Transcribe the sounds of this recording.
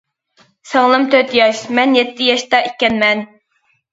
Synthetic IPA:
sɑŋlˠɨmt̪ʰøt̪jɑʃmɛnjɛt̪ːɪjɑʃt̪ɑʔekʲːɛnmɛn

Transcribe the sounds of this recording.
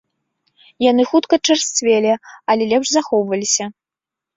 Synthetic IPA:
janɨxut̪kɐt͡ʂɐrst͡svʲɛlʲɛalʲɛlʲɛpʂzaxɔwvɐlʲisʲɐ

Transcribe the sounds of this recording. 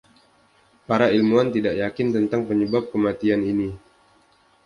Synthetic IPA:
paɾailmuant̪idaʔjakɪnt̪ənt̪aŋpəɲəbap̚kəmat̪ianini

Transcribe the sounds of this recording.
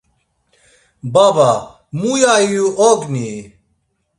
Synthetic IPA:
baba | mujaijuʔoɡni

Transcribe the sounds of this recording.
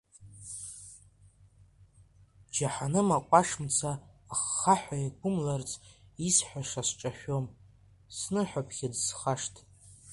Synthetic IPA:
d͡ʒaħanɨmaqʷʼaʂmt͡sʰaːχːaħʷᶣajaɡʷʊmlart͡sʰʼisħʷᶣaʂasʈ͡ʂʼaʃᶣom | snɨħʷᶣapʰχʲɪdsχaʂtʰʼ

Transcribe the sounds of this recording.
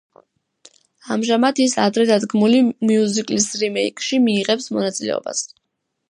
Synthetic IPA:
amʒamat̪ʰisa̰d̪ɾɛd̪ad̪ɡmulimiuzikʼlisɾimɛikʼʃimiːʁɛpsmɔnat̪sʼilɛ̰ɔ̰ba̰s

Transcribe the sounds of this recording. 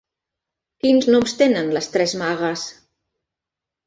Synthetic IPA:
kinznɔmst̪enənləst̪ɾɛzmaɣəs

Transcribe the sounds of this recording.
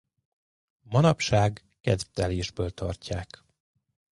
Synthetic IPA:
mɒnɒpʃaːɡːɛd̪t̪ɛleːʒbøːlt̪ʰɒ̰rcaːk

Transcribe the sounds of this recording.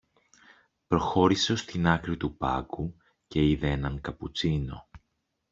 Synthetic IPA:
pɾo̞xo̞ɾiseo̞st̪inɐkɾit̪upɐ̰ku | ce̞iðeenɐŋkɐput͡sino̞̰

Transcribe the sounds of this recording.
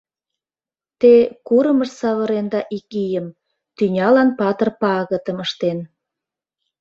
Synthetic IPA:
t̪ekuɾəməʃsɑβəɾend̪ɑʔikijəm | t̪ynʲɑlɑnpɑt̪ərpɑɣət̪əməʃt̪en

